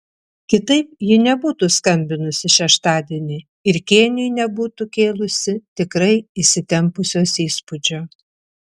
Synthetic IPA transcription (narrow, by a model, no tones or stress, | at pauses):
kʲɪt̪ɐɪp̚jɪnʲɛbuːt̪uskɐmʲbʲɪnʊsʲɪʃʲɛʃt̪ɑːd̪ʲeɛnʲɪ | ɪɾkʲeːnʲɪjnʲɛbuːt̪ukʲeːlˠʊsʲɪt̪ʲɪkɾɐɪɪʃʲsʲɪt̪ʲɛmpʊsʲoːsiːspʊd͡ʒʲoː